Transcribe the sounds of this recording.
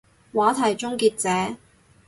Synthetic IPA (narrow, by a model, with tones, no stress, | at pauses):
waː˨˥t̪ʰɐ˨˩jt͡ʃʊ˥ŋkiː˧t̚t͡sɛː˨˥